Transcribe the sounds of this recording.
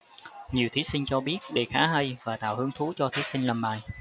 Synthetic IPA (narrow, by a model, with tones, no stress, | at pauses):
ɲi˨˩əwt̪ʰi˨˦sï˧ŋ̟t͡ɕɔ˧ɓi˦˥ət̚ɗe˧˩xaː˨˦ɦə˧jvaː˨˩t̪a̰ː˧˨whɨ˨˧əŋt̪ʰu˨˦t͡ɕɔ˧t̪ʰi˨˦sï˧ŋ̟lə˨˩mɓa̰ː˨˩j